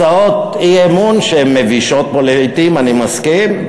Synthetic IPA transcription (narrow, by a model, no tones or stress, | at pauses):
aot̪iemunʃeemeviʃot̪̚boleit̪imanimaskin